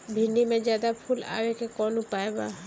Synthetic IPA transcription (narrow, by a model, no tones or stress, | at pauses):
bʱinːimẽd͡ʒjaːd̪apʰula̰ːwekekɔːnõpaːeba̰